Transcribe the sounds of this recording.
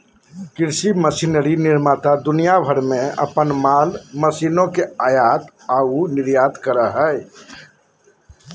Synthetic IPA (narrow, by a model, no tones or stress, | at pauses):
kɪɾsiməsiːnəɾinɪɾmaːt̪ad̪ʊnijabʱəɾmẽə̰pənmaːlməsiːnõkeaːjaːt̪ | aːunɪɾjaːt̪kəɾaɦɛ